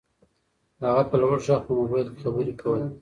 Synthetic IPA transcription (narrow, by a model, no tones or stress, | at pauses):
haɣapəlwaɽʃɑxpəmʊbajlke̥xabəɾekʰawəj